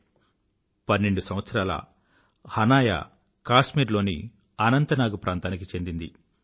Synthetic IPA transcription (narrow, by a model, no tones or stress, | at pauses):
pɐnːe̞ɳɖusɐmʋɐt̪sɐɾaːlɐ̰ | hɐnaːja̰ | kaːʂmiːɾlo̞ːnḭ | ɐnɐnt̪ɐnaːɡupɾʔaːnt̪aːnik̬it͡ʃe̞nd̪ind̪ḭ